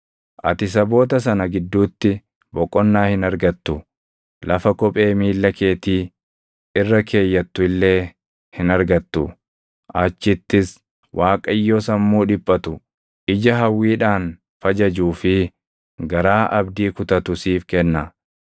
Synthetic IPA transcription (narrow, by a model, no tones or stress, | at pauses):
ʔɐ̰t̪ɪs̬ɐbo̞ːt̪̬ɐs̬ɐnɐɡɪd̪ːuːt̪ːɪ | bɔkʼːɔnːaːhɪnɐɾɡɐt̪ːʊ | lʔɐfɐkɔpʼe̞ːmiːlːɐke̞ːt̪iː | ɪrːɐkʰe̞ːjːɐt̪ːʊɪlːe̞ː | hɪnɐɾɡɐt̪ːʊ | ʔɐt͡ʃːɪt̪ːɪs | wʔaːkʼɐjːoːsɐmːuːᶑɪpʼːɐt̪ʊ | ʔɪd͡ʒɐɦɐwːiːᶑaːn | fɐd͡ʒɐd͡ʒuːfɪ | ɡɐɾaːʔɐbd̪iːkʊt̪ɐt̪ʊsiːfkɛnːɐ